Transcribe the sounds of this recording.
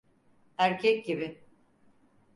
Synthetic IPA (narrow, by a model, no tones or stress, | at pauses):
æɾcʰɛc̚ɟibɪ